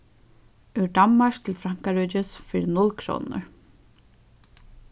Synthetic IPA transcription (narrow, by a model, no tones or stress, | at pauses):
ʏɖammaʂk̚t̪ʰɪlfɾaŋ̥kaɹɔːt͡ʃɪsfɪɾɪnʊlkʰɾṵːnə̰ɹ